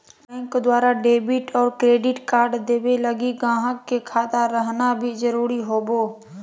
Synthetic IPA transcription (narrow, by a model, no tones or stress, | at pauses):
bɛ̃ŋkd̪waːɾaɖeːbɪʈɔːɾkɾeːɖɪʈkaːɾɖd̪eːbeləɡiɡãːɦəkːekʰaːt̪aɾəɦnabʱid͡ʒəɾuːɾiɦoːboː